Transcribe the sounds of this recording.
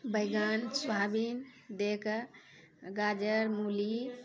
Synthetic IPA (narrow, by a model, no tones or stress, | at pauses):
bəjɡansʋabind̪ek | ɡad͡ʒəɾmuli